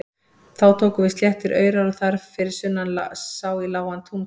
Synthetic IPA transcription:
θawt̪ʰoːkʏvɪst̪ljɛht̪ɪɾʔœ̰ːɥjɾaaθaɾ̥fɪɾɪ̥sʏnːanlsaːwɪlaːwant̪ʰum

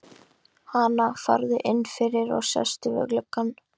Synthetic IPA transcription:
hanafa̰ɾðɪʔɪnːfɪɾɪɾɔ̰ɣsjɛ̰st̪ʏvɛ̰ɣlœkːan

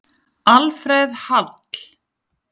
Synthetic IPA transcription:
alfɾɛðhat̪l̥

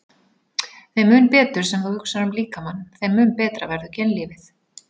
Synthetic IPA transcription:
θejmʏːnpɛːt̪ʏɾ̥sɛmθawhʏksaɾʏmliːkamanːθejmʏːnpɛːt̪ɾavɛɾðʏcɛnliːvɪθ

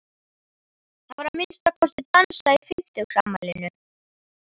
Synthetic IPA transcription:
θavaɾhamɪnst̪akʰɔsɪt̪ansaifɪm̥t̪ʏkamːalɪnʏɾ̥

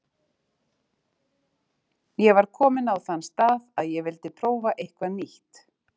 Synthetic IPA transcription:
jɛvaɾ̥kʰɔːmɪnawθanːst̪aːðaðjɛvɪlt̪ɪpʰɾoːwvaʔejhkvaniht̪

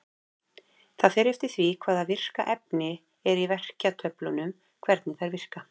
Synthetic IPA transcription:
θaðfɛɾɪft̪ɪθvikʰv̥aːðavɪr̥ka̰ʔɛp̚nɪ | ɛɾivɛr̥cat̪ʰœplʏnʏm | kʰvɛɾt̪nɪθajɾvɪr̥ka

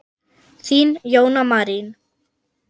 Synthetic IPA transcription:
θinjoːwnamaɾin

